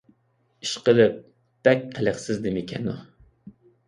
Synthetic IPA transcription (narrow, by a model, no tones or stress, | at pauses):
iʃqəlɨp̚ | b̥ɛk̚ʲqʰələχsɪzd̪ɪmɪkʲʰɛnu